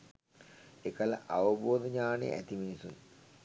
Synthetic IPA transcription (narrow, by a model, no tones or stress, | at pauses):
ekɐlɐ̰ʔaʋɐboːd̪ɐɲaːnḛʔæ̰t̪iminisun